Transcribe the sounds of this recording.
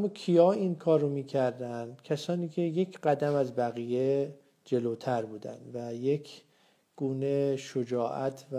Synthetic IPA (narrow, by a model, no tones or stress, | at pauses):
æmːɒːkʰijɒːinkʰɒːɾːomiːcʰæɾd̪ænd̪̥cʰæsɒːniːcʲʰe̞je̞cʰɢæd̪æmæzbæɣiːje | d͡ʒe̞loːt̪ʰæɾbuːd̪æ̰nd̪væje̞cʰ | ɡ̥uːneʃod͡ʒɒːʔæt̪ʰv